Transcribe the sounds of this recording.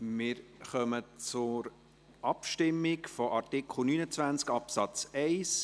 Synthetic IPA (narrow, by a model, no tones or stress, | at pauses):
mɪːɾχœmət͡sʊɾ | ʔɑpʃtɪmːɪkfɔʔɑɾtɪkχl̩ˠnyːnət͡sʋænt͡skɑpsɑt͡sɛɪs